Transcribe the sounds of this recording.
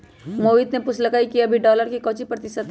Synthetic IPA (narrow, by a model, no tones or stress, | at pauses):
moːʋiːt̪nepʊsʰləkaːikiɐbʱiɖɔːləɾkikɔːt͡ʃipɾɐt̪ɪsəd̪ɦɛ